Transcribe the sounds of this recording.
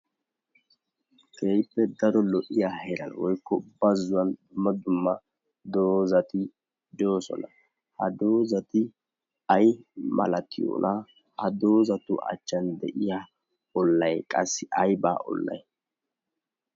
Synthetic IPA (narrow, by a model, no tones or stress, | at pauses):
kejpːɛd̪ɐɾɔlɔʔɪjaɛɾɐ̰nwɔjkːɔʊbːɐzːʊwɐnd̪ʊmːɐd̪ʊmːɐ | d̪oːzɐt̪ɪ | d͡ʒo̞ːsɔ̰nɐ | hɐd̪oːzɐt̪ɪ | ɐjmɐ̰lɐt̪ɪjo̰ːnɐ | hɐd̪o̞ːzɐt̪ʊ̰ʔɐ̰t͡ʃːɐnd̪ɛʔɪjaː | ɔlːɐjkʼɐsːɪʔɐjba̰ːʔɔ̰lːɐ̰j